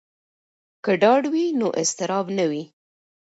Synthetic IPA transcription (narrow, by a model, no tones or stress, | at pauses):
kəɖɑɖwinoʔɪst̪ɪɾɑbnawi